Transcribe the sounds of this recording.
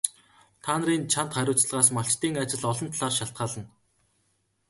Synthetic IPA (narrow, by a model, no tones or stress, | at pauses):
t̪ʰaːnəriːnt͡ɕʰan̥t̪χæɾʲʊːt͡sɮʁaːsmaɬt͡ɕt̪iːŋat͡ɕɪ̆ɮɔɮɞ̆nt̪ʰɮaːrʃaɬt̪̚ɢaːɮə̆n